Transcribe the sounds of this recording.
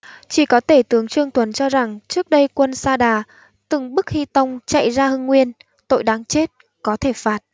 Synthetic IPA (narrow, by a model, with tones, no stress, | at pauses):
t͡ɕi˧˩kɔ˨˦t̪ʰe˧˩t̪ɨ˨˦əŋt͡ɕɨ˧əŋt̪ʰwə˨˦nt͡ɕɔ˧za˨˩ŋt͡ɕɨ˦˥ək̚ɗə˧jkwə˧nsaː˧ɗaː˨˩ | t̪ɨ˨˩ŋɓɨ˦˥k̚hi˧t̪ə˧wŋ͡mt͡ɕa̰˧˨jzaː˧hɨ˧ŋːwi˧ən | t̪o̰˧˨jɗaː˨˦ŋt͡ɕe˦˥t̚ | kɔ˨˦t̪ʰe˧˩faː˨˩t̚